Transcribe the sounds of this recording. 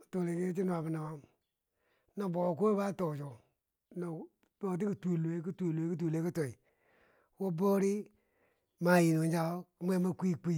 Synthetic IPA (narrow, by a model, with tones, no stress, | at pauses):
to˨le˨ki˦t͡ʃi˦nu˨a˨bi˨na˨wa˦m | na˨bo˨ko˦ba˦to˨t͡ʃo˨ | na˨ | to˨t̬i˦ku˨tu˨le˦ki˦tu˦˨le˨˦ki˦t̬u˨le˨˦ki˦to˨i˨ | wo˦bo˦ɾi˦ | ma˨ji˨no˨˦d͡ʒa˦o˦ku˨˦m˦e˦ma˦ki˦˨k͡pi˦˨